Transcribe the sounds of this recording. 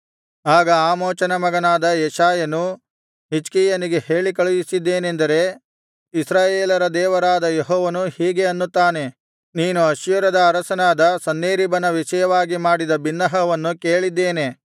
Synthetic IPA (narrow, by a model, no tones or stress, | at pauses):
aːɡɐaːmoːt͡ʃɐnɐmɐɡɐnaːd̪ɐjɛʃaːjɐnu | ɦit͡ʃkiːjɐniɡe̞he̞ːɭikɐɭujisid̪ːe̞ːnend̪ɐɾe̞ | isɾaːjeːlɐɾɐd̪ɛːʋɐɾaːd̪ɐjeɦɔːʋɐnuhiːɡe̞ɐnːut̪ːaːne̞ | niːnuɐʃjɐɾɐd̪ɐːɾɐsɐnaːd̪ɐsɐnːeːɾibɐnɐʋiʃɐjɐʋaːɡimaːɽid̪ɐbinːɐɦɐʋɐnːuke̞ːɭid̪ːeːne̞